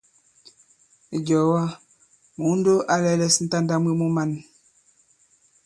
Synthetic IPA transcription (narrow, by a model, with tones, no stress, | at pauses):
ɟɔ˨wa˦ | mo˨˦n˦do˦ʔa˦lɛ˦lɛ˦sn̩˦ta˦n˦da˦mi˦mo˦ma˦˨n